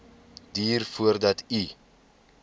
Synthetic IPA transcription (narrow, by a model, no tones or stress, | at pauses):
diːrfuərdɐti